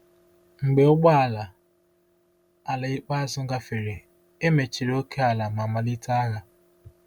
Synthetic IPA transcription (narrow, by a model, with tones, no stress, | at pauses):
ŋ͡m̩˨ɡ͡be˨ʊ˦ɡ͡ba˦a˨la˨ | a˨la˨i˦k͡pa˦a˦zʊ˦ɡa˦fe˨ɾe˨ | e˦me˨t͡ʃi˨ɾe˦o˦ke˦a˨la˨ma˨ma˨li˦ta˦a˦ɣa˨